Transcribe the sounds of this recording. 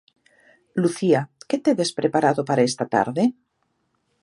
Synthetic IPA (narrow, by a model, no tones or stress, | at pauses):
luθiaket̪eβespɾʔepaɾaðopaɾaest̪at̪a̰ɾðe